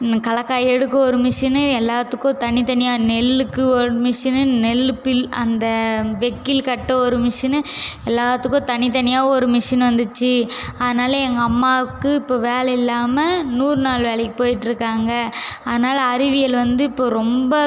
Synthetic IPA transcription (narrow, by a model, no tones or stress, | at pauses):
kɐɭɐkːaːjɛɽɯkːɐ̃ɔɾɯmɪʂɐnɛlːaːt̪ːɯkːõt̪ɐnɪt̪ɐnɪjaːnɛlːɯkːɯɔɾɯmɪʂɐnnɛlpɪlɐ̰nd̪ɐʋɛkːɪlkɐʈːɐɔɾɯmɪʂɐnɛlːaːt̪ːɯkːõːt̪ɐnɪt̪ɐnɪjaːɔɾɯmɪʂɐnʋɐnd̪ɯt͡ʃːɯɐðɐnaːlɐɛŋɡɐːmːaːɯkːɯɪpːoːʋeːlɐɪlːaːmɐnuːɾnaːlʋeːɭɐkːɯ̥poːjɪʈːɪɾɯkːaːŋɡɐɐðɐnaːlɐːɾɪʋɪjɐlʋɐnd̪ɯɪpːoːɾɔmbɐ